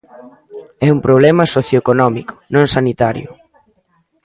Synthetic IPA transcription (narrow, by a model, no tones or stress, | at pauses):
ɛumpɾoβ̞lɛmɐsoθjoekonɔmikʊ̥nõŋsanit̪aɾjʊ